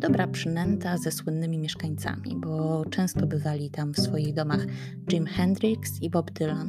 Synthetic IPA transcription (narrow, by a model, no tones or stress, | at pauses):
d̪̥ɔbɾapʂɘmɛnt̪azɛswɘnːɘmʲimʲjɛʂkaɲt̪sa̰mʲḭbɔt͡ʂɛ̃w̃st̪ɔbɘvalʲit̪amfsfɔjiɣd̪ɔmax | d͡ʒimxɛnd̪ɾiksibɔbd̪ɘlan